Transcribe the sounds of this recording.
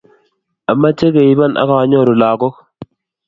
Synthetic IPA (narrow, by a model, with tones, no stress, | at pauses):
a˨mːa˦t͡ʃe˦ke˨i˦ba˦nʔa̰˨ka˨a˦ɲɔ˦ɾu˨laː˨kɔ˦k